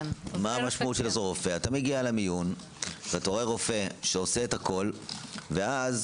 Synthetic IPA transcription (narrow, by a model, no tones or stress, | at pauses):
amaamaʃmautʃelazoʁofe̞atameɡialamijun | veatoʁeʁo̞fe̞ʃeose̞ːthakʰo̞lve̞az